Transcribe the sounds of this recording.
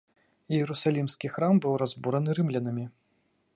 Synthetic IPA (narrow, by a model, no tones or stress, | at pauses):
jɛɾusalʲimskʲixɾambɨwrazbuɾɐnɨɾɨmlʲɐnɐmʲi